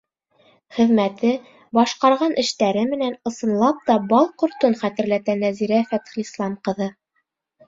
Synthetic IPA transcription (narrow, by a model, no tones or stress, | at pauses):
χɘ̆ðmæt̪ɘ | bɑʃqɑɾʁɑnʔɘ̆ʃt̪æɾɘmɘ̆nænɤ̆sɤ̆nlˠɑp̚t̪ɑbɑlˠqŏɾt̪onχæt̪ɘ̆ɾlæt̪ænæziɾæfæt̪χɘ̆lislˠɑmqɤ̆ðɤ